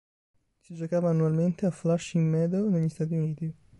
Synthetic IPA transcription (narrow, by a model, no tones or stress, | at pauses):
sid͡ʒokaːvaːnːualment̪eaflaʃimːɛːd̪oneʎːist̪aːt̪iuniːt̪i